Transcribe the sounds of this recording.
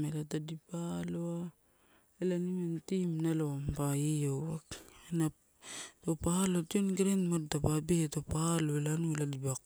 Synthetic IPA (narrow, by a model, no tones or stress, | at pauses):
melatadipaloa | elanimentimnalowampaijowwakena | topaalotionɡɾenmat̚tapabetopahaloelanueladibak